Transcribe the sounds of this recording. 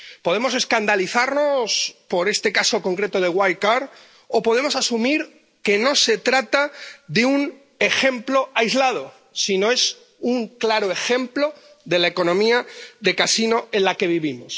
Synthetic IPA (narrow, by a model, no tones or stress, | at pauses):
po̞ðe̞mo̞se̞skand̪aliθaɾno̞spo̞ɾe̞st̪e̞kaso̞ko̞ŋkɾe̞t̪o̞ð̞e̞ɣwajkaɾ | opo̞ð̞e̞mo̞sasumiɾ | ke̞no̞se̞t̪ɾat̪aðeun | e̞xẽ̞mplo̞ajzlað̞o̞ | sino̞e̞s | uŋklaɾo̞e̞xe̞mplo̞ | ðe̞laeko̞nõ̞miaðe̞kasino̞ẽ̞nlake̞β̞iβimos